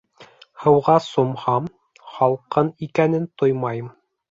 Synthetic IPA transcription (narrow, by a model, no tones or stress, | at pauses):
hɤ̆wʁɑsŏmhɑm | χɑlˠqɤnikænɘnt̪ojmɑjɤm